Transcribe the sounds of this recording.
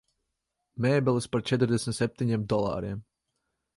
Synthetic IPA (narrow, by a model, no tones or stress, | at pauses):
mɛːbɛlˠɨspaɾt͡ʃɛt̪̬ɾd̪ʲɛsʲmʲt̪sʲɛp̚ʲt̪ʲiɲemd̪ɔlˠa̰ːɾiɛm